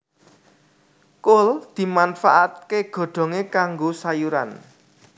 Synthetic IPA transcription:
kʊld̪̥i̤manfaʔat̪̚keɡ̥ɔ̤ɖ̪̥ɔ̤ŋekaŋɡosajuɾa̰n

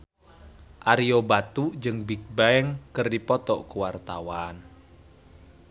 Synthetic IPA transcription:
ʔaɾiobat̪ud͡ʒɨŋbik̚baɛŋkərdipɔt̪ɔ̰ʔkuwart̪awan

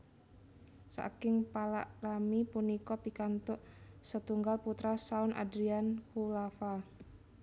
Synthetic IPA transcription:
sa̰kɪŋpala̰ʔramipunikɔpikant̪ʊʔsət̪uŋɡalput̪ɾasaʊna̰dɾiankulafa

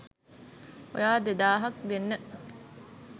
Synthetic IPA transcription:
o̰jaːd̪ed̪aːɦɐk̚ɡ̪enːə

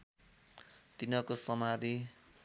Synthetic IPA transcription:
t̪inʌkosʌmad̪i

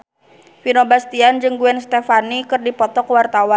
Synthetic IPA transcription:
finobast̪iand͡ʒɨŋɡuɛnst̪ɛfanikɨrdipɔt̪ɔkwart̪awan

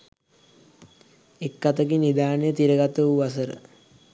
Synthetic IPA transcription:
ekːat̪əɡinid̪aːnəjət̪iɾəɡat̪əuʋasəɾə̰

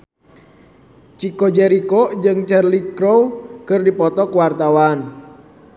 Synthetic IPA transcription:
t͡ʃikod͡ʒɛɾikod͡ʒɨŋt͡ʃɛrliɡɾowkərdipɔt̪ɔkəwart̪awaːn

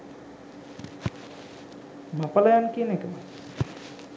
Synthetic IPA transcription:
mapəlajankiənekəmə

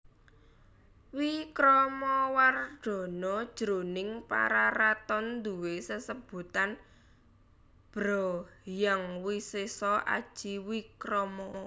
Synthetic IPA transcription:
wikɾɔmɔwarɖ̥ɔ̤nɔd̥ʒ̥ɾonɪŋpa̰ɾaɾat̪ɔnd̪uwesəsəb̥ṳt̪an | b̥ɾɔjaŋwisesɔʔa̰d̥ʒ̥iwikɾɔmɔ

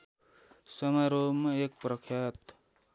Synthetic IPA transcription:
sʌmaɾomʌek̚prʌkʰjat̪

